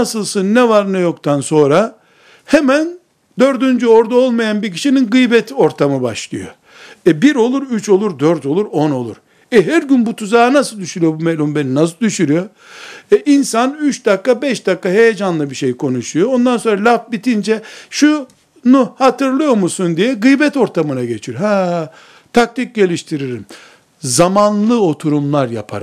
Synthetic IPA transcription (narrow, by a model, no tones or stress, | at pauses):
nasɯlˠsɯnːɛvaɾnɛjo̞kt̪ʰanso̞nɾa | hɛmæn | d̪ø̞ɾd̪ynd͡ʒyo̞ɾd̪ao̞lˠmajanbiɾcʰi̥ʃininɡɯjbɛt̪ʰo̞ɾt̪ʰamɯba̰ʃlˠɯ̰jo̰ | ɛbiɾo̞lˠuɾyt͡ʃʰo̞lˠuɾd̪øɾt̪o̞lˠuɾo̞no̞̰lˠṵɾ̥ | ɛɦæɾɟynbut̪ʰuzaːnasɯlˠd̪yʃyɾyjo̞bumelʲumbeninas̬ɯlˠd̪yʃyɾyjo̞ | ɛʔinsanyt͡ʃd̪akːabɛʃd̪akːaɦe̞jed͡ʒanlˠɯbiʃejkʰo̞nuʃujoond̪anso̞nɾalʲafbit̪ʰind͡ʒɛʃu | nuhat̪ɯɾlˠɯjo̞ɾmusund̪ijɛɡɯjbɛt̪o̞ɾt̪ʰamɯnaɟe̞t͡ʃʰijoɦaː | t̪ʰak̚t̪ic̚ɟe̞lʲiʃt̪ʰiɾiɾim | zamanlˠɯo̞t̪ʰuɾumlˠaɾja̰pʰa̰ɾm